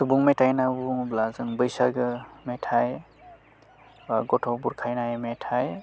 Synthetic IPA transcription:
subuŋmetʰajnabublazɯŋbɯjsaɡɯmetʰaj | aɡɔtʰɔwbuɾkʰajnajmetʰaj

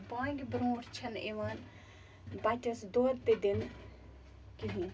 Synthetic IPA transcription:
bãːŋɡʲbɾõːɾt͡ʃʰɐneʋaːn | baʈɐsd̪oːɾt̪ed̪in | kiɦĩ

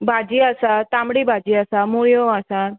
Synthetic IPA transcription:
bʱad͡ʒiasat̪amɽibʱad͡ʒiasamuɭijoasa

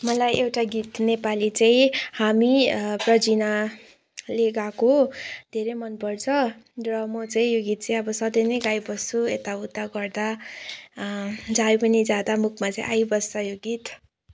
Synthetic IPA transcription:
mʌlajewʈaɡit̪nepalit͡saĩhamiprʌd͡zina | leɡakod̪ʱeɾejmʌnpʌrt͡sʰʌrrʌmʌt͡saĩjoɡit̪̚t͡saĩʌbʌsʌd̪ʌjnʌjɡajbʌst͡sʰuet̪aut̪ːaɡʌrd̪a | d͡zajpʌnid͡zad̪amukʰmat͡saḭ̃ʔajbʌst͡sʰʌjoɡit̪

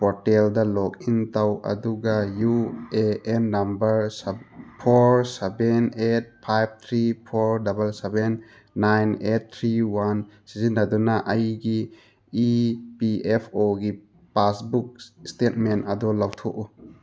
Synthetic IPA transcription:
pɔɾteldɐlok̚intawɐ̰duɡajueenːɐmbɐɾspʰoɾsebenet̚pʰajb̚t̪ʰɾipʰoɾdabɐlsebenː | ajnet̚t̪ʰɾiwansizinːɐdunɐʔɐjɡiː | piepʰoɡi | pasbuk̚stet̚mentɐdɔlawtʰoʔu

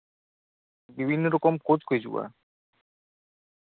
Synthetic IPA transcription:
bibʱinːoɾɔkomkod͡ʑkʰoed͡ʑṵa̰

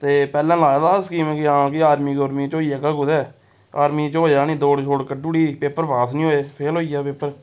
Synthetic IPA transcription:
t̪eːpɛːlɛ̃ːlaːaːd̪aːskiːmɛ̃ːkiãːkɪaːɾmiːkoɾmiːt͡ʃoːiːaːkaːkʊd̪ɛː | a̰ːɾmiːt͡ʃoːaːnĩːd̪oːɽt͡ʃʰoːɽkəɖuːɽiːpeːpəɾbaːsnĩːoːeːpʰeːlɦoːiːaːpeːpəɾ

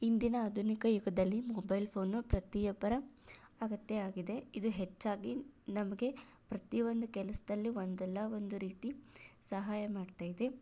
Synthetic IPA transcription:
ind̪inɐːd̪ʱunikɐjuɡɐd̪ɐlːimɔbɐjlpʰo̞ːnːupɾɐt̪ijɐpɐɾɐː | ɡɐt̪ːeaːɡid̪e̞id̪uɦet͡ʃːaːɡinɐmɐɡe̞ | pɾɐt̪iʋo̞nd̪ukɛlɐsɐd̪ɐlːio̞nd̪ɛlːɐʋo̞nd̪uɾiːt̪isɐɦaːjɐmaːɖt̪aːjid̪e̞

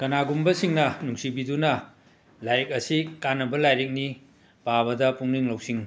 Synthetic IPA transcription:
kɐnaɡumbɐsiŋnɐnuŋsibidunɐ | lajik̚ɐsikanːɐbɐlajɾik̚ni | paβɐdɐpuŋniŋlɐwsiŋ

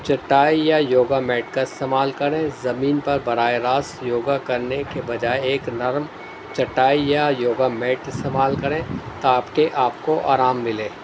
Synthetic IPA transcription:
t͡ʃɐʈːaːijajoːɡamɛːʈkaɪst̪eːmaːlkɐɾẽzɐmiːnpɐɾbɐɾaːeɾaːsjoːɡakɐɾnekebɐd͡ʒaːeeːknɐɾm | t͡ʃɐʈːaːijajoːɡamɛːʈɪst̪eːmaːlkɐɾẽːt̪oaːpkeʔaːp̚koʔa̰ːɾaːmːɪlẽː

